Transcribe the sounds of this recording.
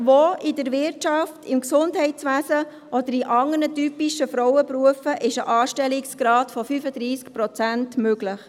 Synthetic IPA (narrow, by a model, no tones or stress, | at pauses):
ʋoidəɾʋɪɾtt͡ʃɑftɪmksʊndɦɛɪtt͡sʋæːsə | ʔɔd̪əɾiʔɑŋənətypiʃəfɾɔwəpɾuəfəʔɪʃəʔɑːʃtɛliksɡ̥ɾɑːtfɔfyfəd̥̪ɾiːskpɾɔt͡sæntmøɡlɪχ